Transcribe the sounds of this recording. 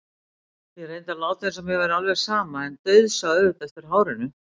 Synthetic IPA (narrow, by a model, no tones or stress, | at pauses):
θɛɾejnt̪alaːwt̪θɛnsɛmːjɛvɛɾalvɛ̥saːmaɛnt̪œɥðsaðʏt̪ɛft̪ɪɾ̥ɦaːwɾɪnʏ